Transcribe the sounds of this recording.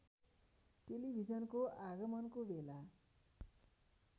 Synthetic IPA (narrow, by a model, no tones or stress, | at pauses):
ʈelibʱid͡zʌnkoʔaɡʌmʌnkobela